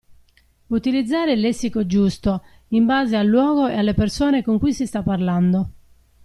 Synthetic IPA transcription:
ut̪ilid̪zːaːɾelɛsːikod͡ʒust̪o | imbaːzealːwɔːɣoealːepersoːnekoŋkujsist̪apːarland̪o

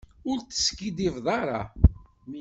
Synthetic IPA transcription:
ʊɾt̪ə̥skid̪ivðˤɑɾˤɑ

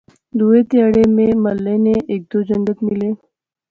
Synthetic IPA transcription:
d̪uʋet̪jaɽememəlːeneʔek̚d̪od͡ʑəŋɡət̪mile

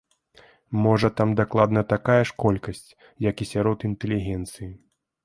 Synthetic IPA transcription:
mɔʐɐt̪amd̪aklˠad̪nɐt̪akajɐʂkɔlʲkɐsʲt͡sʲ | jɐkisʲaɾɔt̪int̪ɛlʲiɣʲɛnt̪sɨji

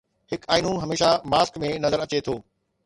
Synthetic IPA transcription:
hɪkaːiːn̤ũɦɐmeːʃamaːskmẽnɐzəɾɐt͡ɕet̪ʰoː

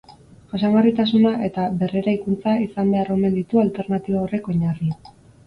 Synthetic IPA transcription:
asaŋɡarit̪asunaʔe̞t̪aβe̞re̞ɾajkunt͡saisambe̞aro̞me̞nd̪it̪ualt̪e̞ɾnat̪iβao̞re̞ko̞ɲari

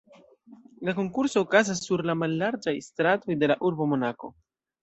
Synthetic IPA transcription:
lako̞ŋkuɾso̞ːkazasːuɾlamalːaɾd͡ʒajstɾato̞jde̞laʔuɾbo̞mo̞nako̞̰

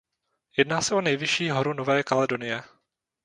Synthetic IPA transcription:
jɛdnaːsɛo̞nɛjvɪʃiːɦoɾunovɛːkalɛdo̞nɪjɛ

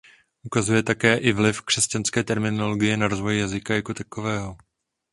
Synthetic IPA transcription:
ʔukazujɛt̪akɛːʔɪvlɪfkr̥ɛscanskɛːt̪ɛɾmɪno̞lo̞ɡɪjɛnaɾo̞zvo̞jjazɪkajakot̪ako̞vɛːɦo̞

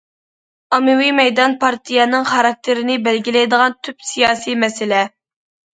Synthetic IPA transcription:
ɑmɪwimɛjd̪ɑnpʰɑɾt̪ʰijɛnɨŋχɑɾɑk̚t̪ʰɪɾɪnɪbɛlɡʲilɛjd̪əʁɑnt̪ʰypsijɑːsimɛsɪlɛ

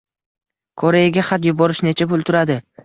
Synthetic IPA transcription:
kʰoɾejɪɡʲaχat̪jʊbɒɾɪʃnet͡ʃʰapʊlt̪ʰʊɾad̪ɪ

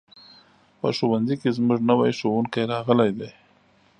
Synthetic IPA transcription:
pə̰ʃowanzikezmʊʐnəwajʃowuŋkajɾɑɣəlajd̪aj

